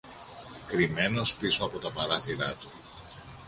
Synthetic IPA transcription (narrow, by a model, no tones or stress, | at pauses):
kɾime̞no̞spisoɐpo̞t̪ɐpɐɾɐθiɾɐt̪u̥